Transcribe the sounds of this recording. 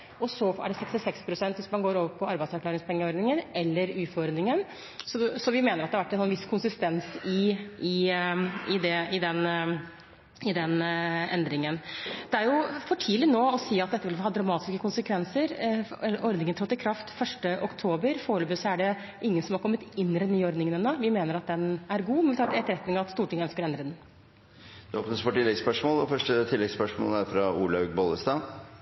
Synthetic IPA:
ɔsɔæ̰ɖɛsɛkst̪ɪsɛkspʰɾʊsɛnt̪ʋɪsmɑnɡoːɾoːʋəpʰɔɑɾbæɪd̪sæɾkʰlɑːɾɪŋspʰɛŋːəɔɾd̪nɪŋənɛlːəɾʉːfɔɾnɪŋən | sɔsɔʋɪmeːnəɾɑt̪d̪ɛhɑʋæʈːɛnsɔnʋɪskʰʊnsɪst̪ɛnsɪɪ | ɪd̪ɛɪd̪ɛn | ɪd̪ɛnɛnd̪ɾɪŋənd̪ɛæɾjʊfɔʈʰiːlɪnoːɔsiːɑt̪̚d̪ɛt̪ːəʋɪlhɑːd̪ɾɑmɑːt̪ɪ̥skəkʊnsəkʰʋɛnsəɾʔɔɾd̪nɪŋənt̪ʰɔt̪ːɪkʰɾɑft̪fœʂʈəʔɔkt̪ʰoːbəɾfoːɭəbəsɔæɖɛ | ʔɪŋːənsɔmhɑɾkʰɔmːət̪ɪnːd̪ɛnːyːɔɾd̪nɪŋənənoːʋɪmeːnəɾɑt̪̚d̪ɛnæɾɡuːmɛnʋɪt̪ʰɑːɾɛt̪ɛt̪ːəɾɛt̪nɪŋɑʋɑt̪st̪uːʈɪŋəœnskəɾɛnd̪ɾəd̪ɛn | d̪̥ʉoːpnəsfɔʈɪlːɛɡspœʂmoːlɔfœʂʈət̪ʰɪlːɛɡspœʂmo̰ːlæɾfɾɑuːlɑʉɡbɔləst̪ɑː

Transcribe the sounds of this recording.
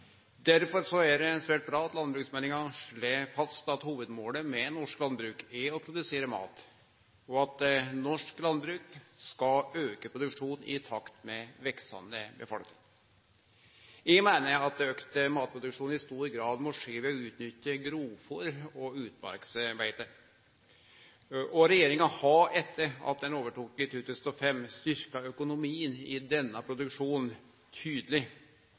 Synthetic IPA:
d̪æɾfɔɾsɔæd̪ɛsʋæːʈ̚bɾɑːɑt̪lɑnbɾʉːksmænɪŋɑʂɭeːfɑst̪ɑt̪huːʋəd̪moːləmɛnɔʂklɑnbɾʉːkæɔpʰɾʊd̪ʉseːɾəmɑ̰ːt̪ | ɔɑt̪nɔʂklɑnbɾʉːkskɑøːkəpʰɾʊd̪ʉkʂuːnɪ̰t̪ʰɑkt̪mɛʋɛksɑ̰nəbə̰fɑ̰lt̪ə̰ | jɛɡmæɪnəɾɑt̪̚d̪øːkt̪əmɑːt̪̚pʰɾʊd̪ʉkʂuːnɪst̪uːɾɡɾɑːd̪mɔʂeːʋɛɔʉːt̪nʏtːəɡɾuːfɔɾɔʉːt̪bɑ̰ɾksbæɪt̪ə | ɔɾɛjeːɾɪŋɑhɑɛt̪ʰːəɾɑ̰t̪̚d̪ɛnoːʋəʈuːkɪt̪ʰuːt̪ʰʉːsn̩ɔfɛmːst̪ʏɾkɑœkʊnʊmiːənɪd̪ɛnːɑpʰɾʊd̪ʉkʂuːn | t̪ʰyːd̪əlɪ

